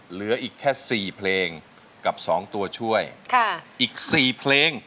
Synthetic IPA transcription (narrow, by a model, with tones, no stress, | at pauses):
lɯ˩˦ɐʔiː˨˩kʰːɛː˥˩siː˨˩pʰleː˧ŋ | ka˨˩p̚sɔː˩˦ŋt̪u˧ɐt͡ɕʰu˥˩əjkʰa˥˩ʔiː˨˩k̚siː˨˩pʰleː˧ŋ